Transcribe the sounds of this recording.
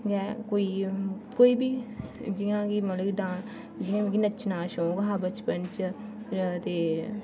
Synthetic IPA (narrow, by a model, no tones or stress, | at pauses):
ɡɛːkoːiːkoːiːbiːd͡ʒijãːkimət̪ləɡidãː | d͡ʒijãːɡinət͡ʃnaːʃõːɡɦaːbət͡ʃpənt͡ʃə | t̪eː